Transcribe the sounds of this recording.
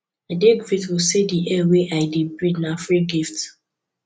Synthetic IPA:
adeɡvitwisediʔɛweʔaɪdebɹidnafɹiɡift

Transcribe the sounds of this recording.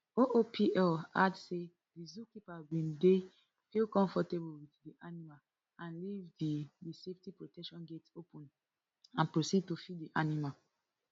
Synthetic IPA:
oʔopʰiʔɛladse | dizukipabĩnde | filkɔ̃ɱfɔteblwitdiʔanimal | ãnlivdidiseftipɹotɛkʃɔ̃nɡetopʰɔ̃n | ãnpɹosid̚tofiddiʔanimal

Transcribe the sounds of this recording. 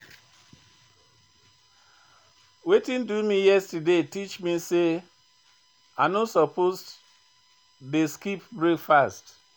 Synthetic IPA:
wetĩndumijɛstadetit͡ʃmise | aɪnosɔpos | deskipbɹekfast

